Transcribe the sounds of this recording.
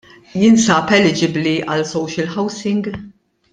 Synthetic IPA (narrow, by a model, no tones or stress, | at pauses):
jɪnsɐpɛlːɪd͡ʒɪbliʔɐlsɔwʃɪlħɐwsɪŋɡ